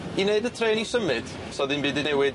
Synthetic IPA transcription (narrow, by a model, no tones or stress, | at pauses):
ineɨdətʰreːnisəmɨd̥ | sɔdinbɨːdinɛwɨd